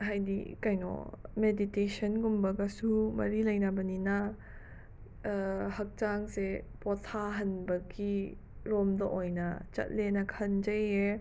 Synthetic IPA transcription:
ɦajdḭkajnɔ̰meditesɐnɡumbɐɡɐsumɐ̰ɾilɐjnɐbɐninɐ | hɐk̚t͡ʃaŋsepot̪ʰaɦɐnbɐɡi | ɾɔmd̪ɐʔojnɐt͡ʃɐ̰t̚lenɐkʰɐnd͡ʒɐje

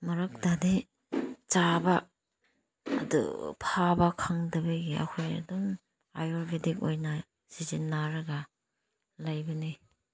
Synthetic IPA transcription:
mɐɾɐk̚dadi | t͡ʃaba | dṵpʰabakʰaŋdɐbaɡiɐ̰kʰoja̰dum | ajɔɾbidik̚ojnɐ | z̥izinːaɾɐɡa | lajbɐni

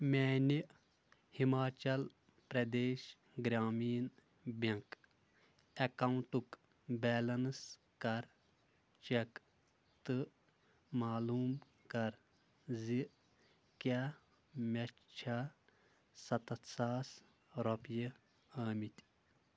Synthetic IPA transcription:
mʲeːniʔ | himaːt͡ʃɐl | pɾɐd̪eːʃ | ɡɾaːmiːn | bɐŋk | ɐkɐuɳʈuk | bɛːlɐns | kɐɾ | t͡ʃek | t̪ɨ | maːluːm | kɐɾ | ziʔ | kaː | mʲɐt͡ʃʰaː | sɐt̪ɐt̪saːs | ɾopjɐ | ɐːmit̪ʲ

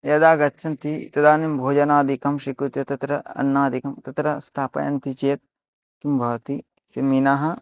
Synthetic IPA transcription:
jɐd̪aːɡɐtːt͡ʃʰɐnt̪it̪ɐd̪aːnimbʱoːd͡ʒɐnaːd̪ʱikɐmʃikɾut̪jɐt̪ɐt̪ɾɐɐ̰nːaːd̪ʱikɐmt̪ɐt̪ɾɐst̪ʰaːpɐ̰jɐ̰nt̪it͡ʃeːt̪̚ | kimbʱɐʋɐt̪i | sɐminaːɦɐ̆

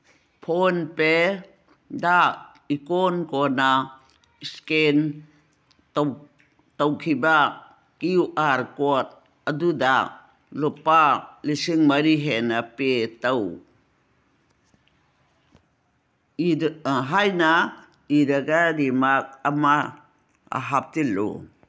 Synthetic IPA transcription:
pʰɔnpe | daʔ | ikɔnkɔna | sken | tawkʰiba | kiwʔaɾkɔt̪̚ | adudaʔ | lupalisiŋmaɾiɦenapetaw | iɦajna | iɾaɡaɾimak̚ama | a̰ɦap̚tilṵ

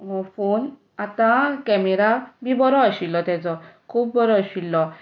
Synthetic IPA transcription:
pʰon | at̪ãkɛmeɾabibɔɾɔaɕilːɔt̪ɛd͡zɔkʰuːbbɔɾɔaɕilːɔ

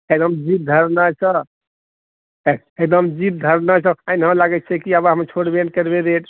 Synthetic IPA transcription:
ed̪əmd͡ʒit̪̚d̪ʱəɾnasə | ek̚d̪əmd͡ʒit̪̚d̪ʱəɾnasəanɦə̃laɡɛt̪̚t͡ʃʰɛkiabaɦəmt͡ʃʰoɽbẽɳʈ̚kəɾbed̪eʈ

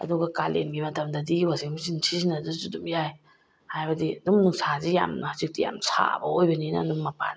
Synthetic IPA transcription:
ɐ̰duɡɐkalʔḛmɡimɐtɐmdɐdiwaziŋmisinsʰizinɐdazudumjaj | hajbɐdiadumnuŋsazija̰mnɐhazik̚tija̰msʰa̰bɐojbɐninɐ̰dumːɐpa̰n

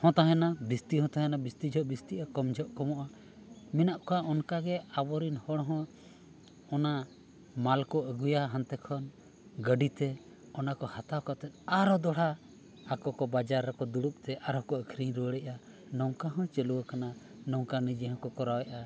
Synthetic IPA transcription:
hɔ̃t̪aɦɛnabist̪ihɔ̃t̪aɦɛnabist̪id͡ʒʱɔʔbist̪iʔakɔmd͡ʒʱɔʔkɔmɔʔa | minaʔkɔaʔɔnkaɡɛabɔɾinhɔɽ̃ɔɦɔ̃ | ɔna | malkɔʔəɡujaɦãnt̪ɛkʰɔn | ɡəɖit̪ɛ | ɔnakɔhat̪awkɔt̪ɛt̪̚ˀaɾɔd̪ɔɽ̤a | akɔkɔbad͡ʒaɾɛkɔd̪uɽup̚t̪ɛʔaɾɔkɔəkʰɾiɲɾuəɽɛʔa | nɔŋkaɦɔ̃t͡ʃɛluwakana | nɔwkanid͡ʒɛɦɔ̃kɔkɔɾawɛʔa

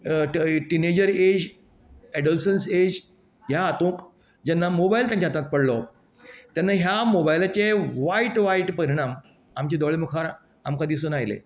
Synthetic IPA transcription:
ʈined͡ʑəɾed͡ʑ | ɛɖəlsənsed͡ʑ | ɦjaːt̪ũːk | d͡ʑɛnːamobailt̪jãɲt͡ɕat̪ãt̪̚pəɽlɔ | t̪janːaɦjamobajlat͡ɕeʋaiʈʋaiʈpəɾiɽ̃am | amt͡ɕed̪ɔɭemukʰaɾ | amkãd̪is̬uːnajlḛ

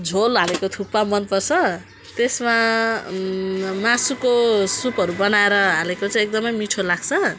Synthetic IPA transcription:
d͡zʱolɦalekot̪ʰupːamʌnpʌrt͡sʰʌ | t̪esma | masukosupɦʌɾubʌnaeɾʌɦalekot͡saj̃ek̚d̪ʌmʌjmiʈʰolaɡt͡sʰʌ

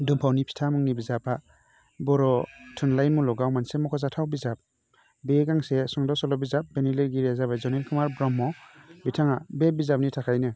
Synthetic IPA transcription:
dumpʰawnipʰi̥tʰamɯŋnibizapa | bɔɾɔtʰunlajnmulɔɡawmansemɔkʰɔzatʰawbizap̚ | beɡaŋsesɔŋdɔsɔlɔbizap̚beniliɾɡiɾezabazɔnelkʰɯmaɾbɾɔmːɔbitʰaŋabebizap̚nitʰakʰajnɯ

